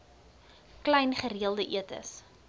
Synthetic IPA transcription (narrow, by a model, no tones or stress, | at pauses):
klɛjnχəriəlˠdəʔiətə̰s